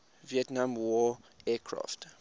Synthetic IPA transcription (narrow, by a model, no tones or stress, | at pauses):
viɛtnãmwɔɛkʰɹa̰ft